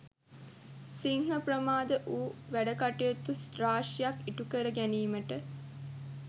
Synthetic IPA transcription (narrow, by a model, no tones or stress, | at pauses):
siŋɦəpɾəmaːd̪əʔuːʋæɖəkaʈijot̪ːusɾaːʂjakːiʈukəɾəɡæniːməʈə